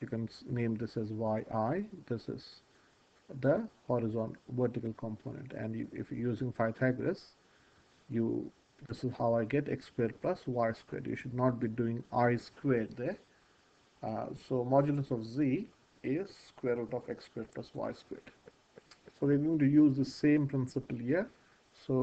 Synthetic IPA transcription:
jukɛ̃nsnẽːmd̪ɪsɪzʋaɪʔaɪd̪ɪsɪ̰z̥ | d̪əhɔːɾɪzɔ̃ːnʋəɾʈɪkəlkʰɔ̃mpʰo̰ːnə̰̃ɳʈɛ̰̃ɳɖɪ̰fjuːzɪ̃ŋfaɪt̪ʰæɡɾes | jṵ | d̪ɪsɪzhaʊaɪɡɛʈḛkskweːɾplʌsʋaɪskwḛːɖjṵːʃʊɖnɔːʈ̚biɖuɪ̃ŋaɪskweːɖd̪e | soːmɔːd͡ʒuləsɔʋziː | ɪzskweːɾoːʈɔfekskweːɾplʌsʋa̰ɪskwḛːɖ | soːʋiəɾɡõɪ̃ŋʈujuːzd̪ɪsẽːmpɾɪ̃nsɪpəlhiəɾ | soː

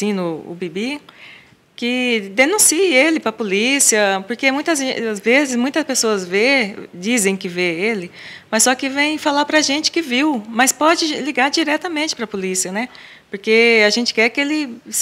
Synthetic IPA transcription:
sĩnʊʊ̰bibi | kɪd̪enũsiɪelɪpɾɐpolisiɐpoɾkemũj̃t̪ɐzazvezɪsmũj̃t̪ɐspesoɐzved͡ʒizẽj̃kɪveelɪmɐssːɔkɪvẽj̃falaɾpɾɐʒẽnt͡ʃɪ̥kɪviwmɐspɔd͡ʒɪliɡaɾd͡ʒiɾɛt̪ɐmẽnt͡ʃɪ̥pɾɐpolisiɐnɛ | poɾkeaʒẽnt͡ʃɪ̥kɛɾkɪelɪ

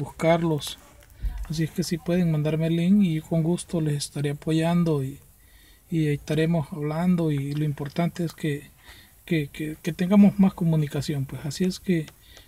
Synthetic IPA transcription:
buskaɾlos | as̬ieskesipweðeŋmãnd̪aɾmeliŋikoŋɡust̪olesest̪aɾeapoʝand̪oiː | est̪aɾemosaβland̪oiloimpoɾt̪ant̪eeske | kekeket̪eŋɡamosmaskomunikasjompwesasieske

